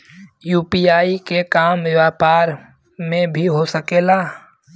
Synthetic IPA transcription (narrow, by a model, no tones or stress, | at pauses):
juːpiaːikekaːmɪʋaːpaːɾ | mẽbʱiɦosəkeːlaː